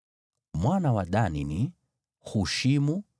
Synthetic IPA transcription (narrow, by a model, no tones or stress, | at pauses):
mwanawaɗanini | huʃimu